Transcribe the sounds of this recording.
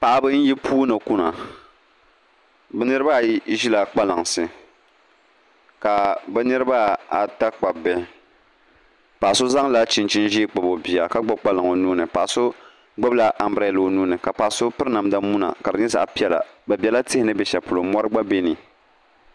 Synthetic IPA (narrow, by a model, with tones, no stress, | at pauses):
pa˨ʔa˦bɨ˦n̩˦ji˦pʰuː˦nɨ˨ku˦na˨ | bɛ˦nɨ˦ɾɨ˦ba˦˨˦ʒi˦la˨k͡pa˦la˨ŋsɨ˨ | ka˨bɛ˦nɨ˦ɾɨ˦ba˦a˨ta˦k͡pa˨bɛ˦ | pa˨ʔa˨so˦za˦ŋ˦la˦t͡ʃi˨nt͡ʃi˦n˦ʒi˦k͡pa˨bo˨bi˨a˨ka˦ɡ͡ba˦k͡pa˦la˨ŋo˨nuː˦nɨ˨pa˨ʔa˨so˦ | ɡ͡bɛ˦bla˦ʔa˨mbɾɛ˦lo˨˦nuː˦nɨ˨ka˨pa˨ʔso˦pɨ˦ɾɨ˦na˨m˦da˦mu˦na̰˨ka˨ɾɨ˨˦ɲɛ˦za̰˨ʔpi˦ɛ˦la̰˨bɛ˨bʲi˨ɛ˦la˦tɪ˦hɪ˦nɨ˦bɛ˨ʃɛ˨pu˨lo˨mɔ˦ɾɨ˦ɡ͡ba˦be˦ni˨